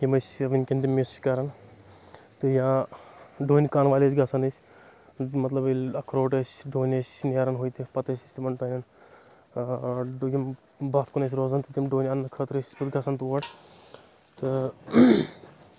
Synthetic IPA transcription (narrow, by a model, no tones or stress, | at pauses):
jimɐsʲʋinʲkʲent̪imesskɐɾɐn | t̪ɨjãː | ɖoːnʲkaːnʋaːlʲes̬ʲɡɐsɐnɨsʲ | mɐt̪lɐbilʲɐkʰɾoːʈɐsʲɖoːnʲɐsʲneːɾɐnɦoːjt̪ipɐt̪ɐsʲisʲt̪imɐnɖɐːnʲɐn | ɖjim | bɐt̪kunɐs̬ʲɾoːzɐnt̪ɨt̪ʲimɖoːnʲɐnːɐkʰəːt̪ɾɨsʲisʲpɨt̪ɡɐsɐnt̪uʋɐʈ | t̪ɨ